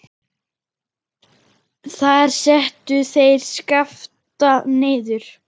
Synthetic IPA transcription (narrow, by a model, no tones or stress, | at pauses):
θaɾ̥sɛht̪ʏθejɾ̥skaft̪anɪːjðʏɾ̥